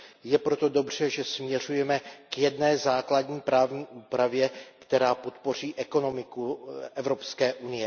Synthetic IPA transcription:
jɛpɾo̞t̪o̞do̞br̝̥ɛʒɛsmɲɛr̝ujɛmɛkjɛdnɛːzaːkladɲiːpɾaːvɲiːʔuːpɾavjɛkt̪ɛɾaːpo̞t̪po̞r̝iːʔɛko̞no̞mɪkuʔɛvɾopskɛːʔunɪjɛ

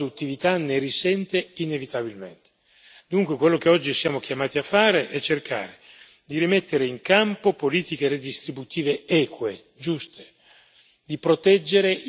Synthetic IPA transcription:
ut̪ːivit̪anerisɛnt̪einevit̪abilmḛnt̪e̥ | d̪uŋkwekwelːok̟eɔd͡ʒːisjaːmok̟jamaːt̪iafːaːɾeʔɛt͡ʃːerkʰa̰ːɾe | d̪iɾimet̪ːeɾeiŋkampopoliːt̪ikered̪ist̪ɾibut̪iːveɛːkwe | d͡ʒust̪ʰe̥ | d̪ipɾot̪ɛd͡ʒːeɾeʔ

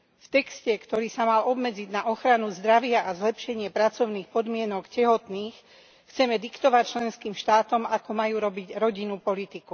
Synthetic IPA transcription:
ft̪ɛkscɛkt̪ɔɾiːsamalɔbmɛd͡ziɟnaʔɔxɾanuzd̪ɾaʋɪaʔazlɛpʃɛɲɪɛpɾat͡sɔʊniːxpɔd̪mɪɛnɔkcɛɦɔt̪niːx | xt͡sɛmɛd̪ikt̪ɔʋac̚t͡ʃlɛnskiːmʃt̪aːt̪ɔmakɔmajuːɾɔbiɟɾɔɟinupɔlit̪iku

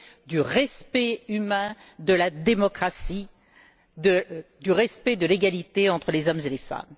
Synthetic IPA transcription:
d̪yʁɛspɛymɛ̃ | d̪əlad̪emɔkχasi | d̪əd̪yʁɛspɛd̪əleɡalit̪eɑ̃t̪χəlezɔmzelefa̰m

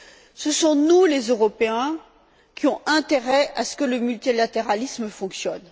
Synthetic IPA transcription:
səsɔ̃nulezøʁɔpeɛ̃ | kʲiɔ̃ɛ̃t̪eʁɛasə̥kələmylt̪ilat̪eʁalisməfɔ̃ksjɔn

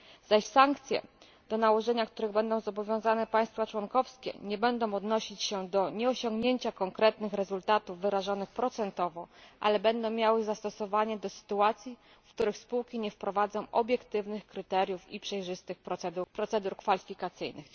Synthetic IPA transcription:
z̥aɕsaŋkt̪sʲjɛ̰ | d̪̥ɔnawɔʐɛɲakt̪uɾɘɣbɛnd̪ɔ̃w̃zɔbɔvʲjɔ̃w̃zanɛpaj̃st̪fat͡ʂwɔŋkɔfskʲɛ̰ɲɛbɛnd̪ɔ̃w̃ɔd̪nɔɕit͡ɕɕɛd̪ɔɲɛɔɕɔŋɡɲeɲt͡ɕakɔŋkɾɛt̪nɘxɾɛzult̪at̪uvːɘɾaʐɔnɘxpɾɔt̪sɛnt̪ɔvɔʔa̰lɛbɛnd̪ɔ̃w̃mʲjawɘzast̪ɔsɔvaɲɛd̪ɔsɘ̥t̪uat̪sʲji | fkt̪uɾɘxspuwkʲiɲɛfpɾɔvad̪zɔ̃w̃ʔɔbʲjɛkt̪ɘvnɘxkɾɘt̪ɛɾʲjufḭpʂɛjʐɘst̪ɘxpɾɔsɛd̪upɾɔt̪sɛd̪uɾkfalʲifʲikat̪sɘ̰jnɘ̰x

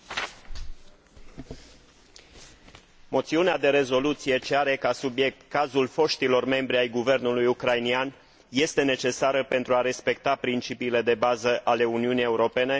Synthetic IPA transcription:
mo̞t̪siunead̪e̞ɾe̞zo̞lut̪sije̞t͡ʃeaɾe̞kasubje̞k̚t̪kazulfo̞ʃt̪ilo̞rme̞mbɾiajɡuve̞rnulujukɾajnian | je̞st̪e̞ne̞t͡ʃe̞saɾəpe̞nt̪ɾuaɾe̞spe̞k̚t̪apɾint͡ʃipiːle̞d̪e̞bazəʔale̞uniunije̞uɾo̞pe̞ne̞

